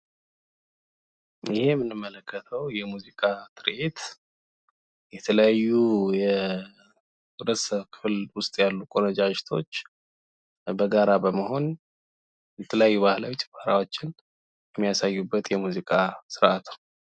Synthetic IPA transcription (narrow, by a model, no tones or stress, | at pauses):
jɪhejmːɨnːɨmːələkʰːət̪ʰəwjɛmuzikʼat̪ʰɨɾʔet̪ | jɛt̪ʰələjajːujɛ | ɾəsəβkʰɨ̥flwʊst̪ʼjalːukʼo̞nəd͡ʒaʃt̪ʰo̞̰t͡ʃː | bəɡaɾabəməho̞n | jɛt̪ʰələjajːuβahlawit̪ʰə̥bahɾawo̞t͡ʃːɪn | jɛmːijasajːubːət̪jɛmuzikʼasɨɾʔat̪ʰu̥